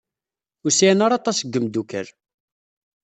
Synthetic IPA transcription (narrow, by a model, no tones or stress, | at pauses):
ʊsinaɾˤɑt̪ˤɑsəɡːəmd̪ukə̰ɾ